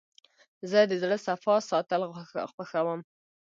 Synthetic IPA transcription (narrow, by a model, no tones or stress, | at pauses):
zəd̪əzɽəsafɑsɑt̪əlxwəxawəm